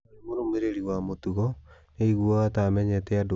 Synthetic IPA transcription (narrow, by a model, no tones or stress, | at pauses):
emoɾomeɾeɾiwamotuɣɔ | neiɣuɔɣatamɛɲɛtɛado